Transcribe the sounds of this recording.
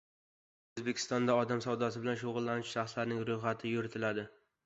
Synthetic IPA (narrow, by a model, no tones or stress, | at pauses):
ɵzbekʲʰɪ̥st̪ɒnd̪aɒd̪amsawd̪asɪbɪlanʃoʁʊlːanɪʃʃaχslaɾnɪŋɾʊjχat̪ʰɪjʊɾɪt̪ʰɪlad̪ɪ